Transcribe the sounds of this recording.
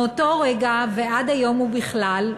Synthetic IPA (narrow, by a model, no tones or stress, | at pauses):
otoʁeɡaveʔad̪ajo̞mubiχlal